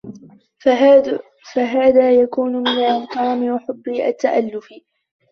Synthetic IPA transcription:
faɦaːðaːjakuːnʊmɪnalʔamkɑːmɪwaħʊbːɪʔa̰t̪ːaʔa̰lːʊfɪ

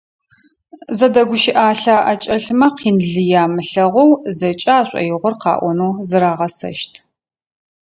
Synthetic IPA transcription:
zɐdɐɡʷʊʃɪʔaːɬaːʔɐt͡ʃʼɐɬmɐqʰiːnɮɨjaːmɨɬɐʁʷɔwzɐt͡ʃʼaːɕʷʼɐ̰jɪʁʷʊrqɑ̰ːʔʷɔnuːzɨɾaːʁɐsɐ̰ʃtʰ

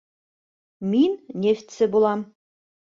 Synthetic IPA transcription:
mʲinʲnʲefʲt̪ʲsɘ̆bulˠɑm

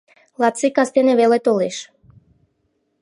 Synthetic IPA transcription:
lˠat̪t͡sikast̪enevelet̪oleʃ

